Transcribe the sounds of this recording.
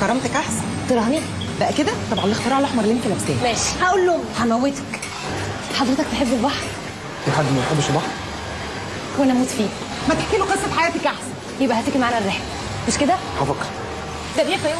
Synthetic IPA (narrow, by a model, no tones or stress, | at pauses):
kɑɾˤːɑmt̪ækʔaħsænt̪eɾˤɑhæni | bæʔæked̪æt̪ˤɑbʕɑnlext̪eɾˤɑʕlɑħmɑɾˤleːnkilæfst̪æːnmæːʃhæʔuːlːohomħanmæwːet̪æ̥k | ħɑd̪ˤɾet̪ɑkt̪eħebːelbɑħɾˤ | eħad̪mæjħebːoʃelbɑħɾˤ | wænæmuːt̪fiː | mæt̪eħkeːloqesˤːɑfħajæːt̪ikʔaħsæn | jebʔæhæt̪ekimaʕaːnærːeħl | meʃked̪æ | hɑfɑk | d̪æbijæfæi